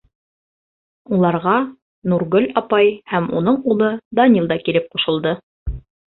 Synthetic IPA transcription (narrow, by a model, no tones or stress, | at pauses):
ulˠɑɾʁɑ | nuɾɡɵlɑpɑjhæmunɤɴulˠɤd̪ɑnʲilˠd̪ɑkiɾɘp̚qŏʃɤ̆lˠd̪ɤ